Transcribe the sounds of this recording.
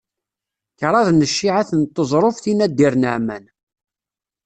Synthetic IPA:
çɾˤɑðnəʃːiʕaθənt̪ˤːəzˤɾˤofθinæd̪ːiɾnəʕmæ̰n

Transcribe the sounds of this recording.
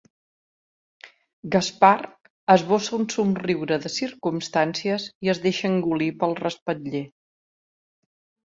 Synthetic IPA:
ɡaspar | əzβosəunsumriwɾəðəsiɾkumst̪ansiəziəzðeʃəŋɡulipəlˠrəspət̪ʎe

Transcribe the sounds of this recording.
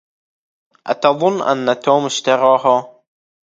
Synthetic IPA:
ʔa̰t̪ɑðˤʊnːʔa̰nːat̪oːmɪʃt̪ɑɾɑːɦa

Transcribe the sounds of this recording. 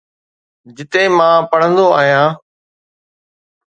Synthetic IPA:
d͡ʑɪt̪eːmãːpɐɽ̤ə̃nd̪oaːɦijãː

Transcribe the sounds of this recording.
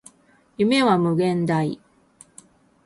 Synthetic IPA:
jɯme̞βamɯ̟ɡẽ̞nd̪aḭ

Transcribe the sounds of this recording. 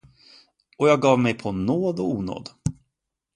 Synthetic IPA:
ɔjɑːɡ̚ɡɑːvmɛjpʰɔnoːd̪ɔuːno̰ːd̪

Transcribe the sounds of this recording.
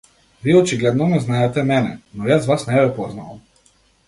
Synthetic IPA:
ʋiːot͡ʃiɡlʲed̪nɔmɛznaːjet̪ɛmenɛ̰nojaːzʋaːsnebɛpoznaom

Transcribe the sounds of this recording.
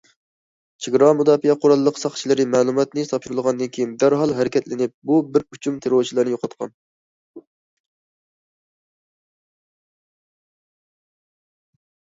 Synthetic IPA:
t͡ʃʰeɡɾɑmud̪ɑːfijɛqʰoɾɑlˠəːəqsɑχt͡ʃʰilˠɨɾɨmæːlˠumɑt̪nɨsɑpʃuɾɨlˠʁɑnd̪ɨnkʲʰejind̪æɾɦɑlˠɦæɾɪkʲʰɛt̪lɪnɪp̚bubɪɾut͡ʃʰumt̪ʰeɾoɾt͡ʃʰilˠɨɾnɨjoqʰɑt̪qʰɑ̰n

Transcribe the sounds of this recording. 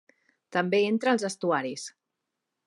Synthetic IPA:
t̪əmbeent̪ɾəːlˠzəst̪uaɾis

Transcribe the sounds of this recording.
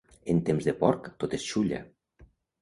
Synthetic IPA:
ent̪emzd̪epɔrkt̪ot̪est͡ɕulʲa̰

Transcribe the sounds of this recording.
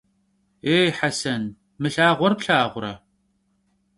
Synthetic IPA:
eːħasɐn | mɨɬaːʁʷɔrpɬaːʁʷʊɾɐ̰

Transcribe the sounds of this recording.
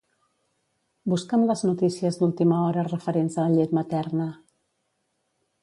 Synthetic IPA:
buskəmləznut̪isiəzd̪ulˠt̪iməɔɾərəfəɾenzəʎet̪mət̪ɛrnə

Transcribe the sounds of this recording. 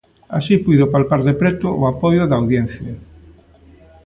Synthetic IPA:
a̰sipujðʊpalpaɾðepɾɛt̪ʊʔoapɔjʊðaːwðjɛn̟θja

